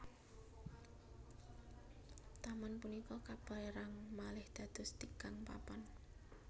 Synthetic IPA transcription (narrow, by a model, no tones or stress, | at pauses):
t̪amanpunikɔkab̥a̤ɾaŋmalɪhd̪̥ä̤d̪̥ʊ̤st̪ikaŋpa̰pan